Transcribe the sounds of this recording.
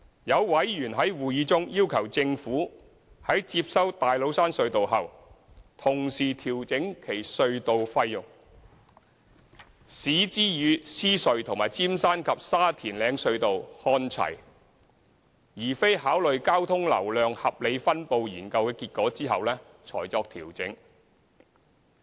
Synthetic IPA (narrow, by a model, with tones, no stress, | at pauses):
jɐ˨˧wwɐ˨˥jjyː˨˩nɦɐ˨˥jwuː˨jiː˨˧t͡sʊ˥ŋjiː˥wkʰɐ˨˩wt͡sɪ˧ŋfuː˨˥ | hɐ˨˥jt͡siː˧p̚sɐ˥wt̪aː˨jlo˨˧wsaː˥nsɵ˧ɥt̪o˨wɦɐ˨w | t̪ʰʊ˨˩ŋsiː˨˩t̪ʰiː˨˩wt͡sɪ˨˥ŋkʰe˨˩jsɵ˧ɥt̪o˨wfɐ˧jːʊ˨˩ŋ | siː˨˥t͡siː˥jyː˨˧siː˥sɵ˧ɥt̪ʰʊ˨˩ŋmaː˨˩jt͡siː˥msaː˥nkʰɐ˨p̚saː˥t̪ʰiː˨˩nlɛː˨˧ŋsɵ˧ɥt̪o˨whɔː˧˥nt͡sʰɐ̰˨˩j | jiː˨˩fe˥jhaː˨˥wlɵ˨ɥkaː˥wt̪ʰʊ˥ŋlɐ̰˨˩wlœː˨ŋhɐ˨p̚le˨˧jfɐ˥npo˨˧wjiː˨˩nkɐ˧wkɛː˧kiː˧t̚kɔː˨˥t͡siː˥ɦɐ˨wlɛː˥ | t͡sʰɔ̰ː˨˩jt͡sɔː˧k̚t̪ʰiː˨˩wt͡sɪ̰˨˥ŋ